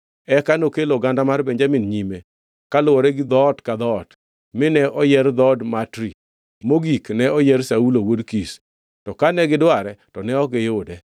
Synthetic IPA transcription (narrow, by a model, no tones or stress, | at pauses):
ɛkanokeloɡandamarbɛɲd͡ʒaminɲime | kalʊwɔɾɛɡɪd̪ɔtkad̪ɔt | mɪnɛʔɔjɛrd̪ɔdmatɾi | moɡiknɛɔjɛɾsaulowodkis | tɔkanɛɡɪdwaɾɛtɔnɛɔɡɪjʊdɛ